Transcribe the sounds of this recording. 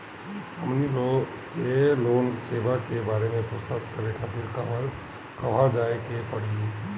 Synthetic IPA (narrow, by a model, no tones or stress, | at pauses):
əmnilo | keloːnseːʋakebaːɾemẽpʊst̪əskəɾekʰat̪iɾkaa | kɐʋ̤ad͡ʒaːekepəɽi